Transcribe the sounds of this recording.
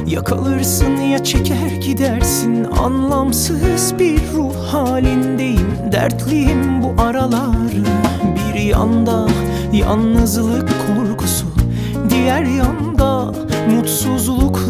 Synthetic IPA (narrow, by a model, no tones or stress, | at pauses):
jakʰa̰lˠɯɾsɯnjat͡ʃʰecʰæɾɟid̪æɾsina̰nlˠamsɯzbiɾːu | haːlʲind̪e̞jimd̪æ̰ɾt̪ʰlʲejimbuʔaɾalˠaɾɯbiɾja̰nd̪a | ja̰nːɯzlˠɯkʰːoɾkʰusu | d̪ijæɾjand̪a | mut̪suzlˠuk